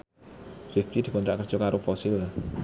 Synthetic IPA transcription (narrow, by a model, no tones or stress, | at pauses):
rift͡ʃid̪̥i̤kɔnɾaʔkərd̥ʒ̥okaɾʔofɔsɪl